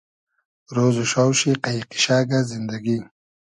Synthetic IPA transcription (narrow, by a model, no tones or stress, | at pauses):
ɾoːzoʃawʃiqaiqi̥ʃaːɡazind̪aɡi